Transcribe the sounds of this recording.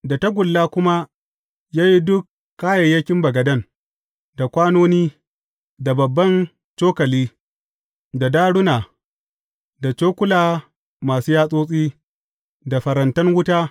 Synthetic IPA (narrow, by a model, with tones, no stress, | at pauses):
da˨ta˦ɡʷʊ˨lːaː˦kʷʊ˦ma˦ | jaː˦ji˦dʊ˦kː | aː˦jɐ˨jːɐ˦kʲɪ˦mbɐ˨ɡɐ˨dɐ˦˨n | da˨kʷaː˦noː˦niː˦ | da˨bɐ˨bːɐ˦n | t͡ʃoː˦kɐ˨liː˦ | da˨daː˦ɽʊ˦naː˨ | da˨t͡ʃoː˦kʷʊ˦laː˨ | maː˨suː˦jaː˦sʼoː˦sʼiː˦ | da˨ɸɐ˨ɾɐ˨ntɐ˦nwʊ˦taː˦